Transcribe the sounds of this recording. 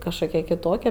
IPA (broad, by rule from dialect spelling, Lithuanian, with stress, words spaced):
kɐʃˈkoːkʲɛ kʲɪˈtoːkʲɛ